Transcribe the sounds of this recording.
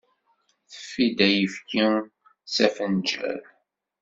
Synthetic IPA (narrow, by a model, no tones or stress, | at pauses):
θə̥fːid̪æjəfki | sæfənd͡ʒæ̰ɾ